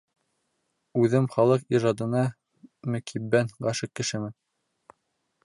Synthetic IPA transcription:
ʉðɘmχɑlˠɤqiʒɑd̪ɤ̆nɑ | mɵ̆kʰibːænɢɑʃɤq̚kːɘ̆ʃɘ̆mɘn

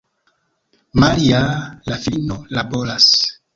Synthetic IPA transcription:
maɾialafinolaboɾas

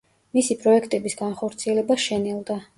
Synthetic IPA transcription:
misipʼɾɔɛkʰt̪ʼɛbisɡanχɔɾt̪sʰiɛlɛbaʃɛnɛlˠd̪a

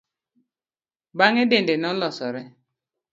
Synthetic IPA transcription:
baŋedendenɔlɔsɔɾɛ

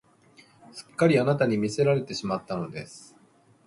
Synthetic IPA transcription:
sɨ̥kːaɾʲianat̪aɲ̟imʲise̞ɾaɾe̞t̪e̞ɕimat̪ːano̞d̪e̞̰sɨ̥

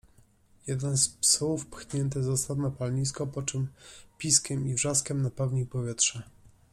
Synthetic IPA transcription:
jɛd̪ɛnspsuufpxɲɛnt̪̬ɛzɔst̪ad̪napalɲiskɔpɔt͡ʂɘmpʲiskʲɛmivʐaskʲɛmnapawɲijpɔvʲjɛt̪ʂɛ

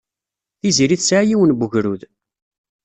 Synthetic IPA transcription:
θiziɾiθsʕajiwənbuʝɾuð

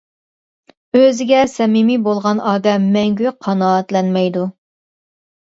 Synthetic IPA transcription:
øzɪɡʲɛsɛmimibolˠʁɑnɑːd̪ɛmːɛŋɡʲyqʰɑnɑːt̪lɛnmɛjd̪u

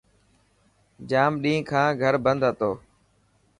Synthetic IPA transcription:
d͡ʒaːmɗĩːkʰãːɡʱəɾbə̃nd̪ɦət̪oː

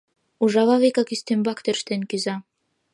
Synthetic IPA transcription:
uʒɑβɑβekɑkyst̪embɑkt̪ørʃt̪enkyzɑ

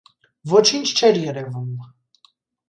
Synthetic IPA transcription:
vɔt͡ʃʰint͡ʃʰt͡ʃʰɛɾjɛɾɛvum

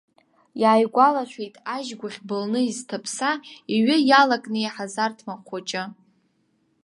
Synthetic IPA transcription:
jaːjɡʷalaʃʷᶣejtʼaʒɡʷʊχʲbɨlnɨiztʰapʰsaiɥɪjalakʼnɨeħazartʰmaqʷʰat͡ʃʼɪ

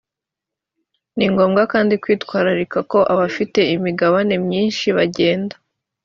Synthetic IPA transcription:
niŋɡo̞ːmɡakaːndikwiːtkwaːɾaɾikako̞ʔaβafite̞imiɡaβane̞mɲiːnʃiβaɟe̞ːndḁ

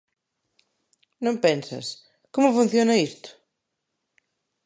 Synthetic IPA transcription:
nõmpɛnsɐ̰s | komʊfun̟θjonɐist̪ʊ̥

